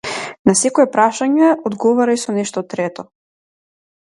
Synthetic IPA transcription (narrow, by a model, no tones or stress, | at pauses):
nasɛkɔɛpɾaʃaɲɛod̪ɡɔvaɾaisɔnɛʃt̪ɔt̪ɾɛt̪ɔ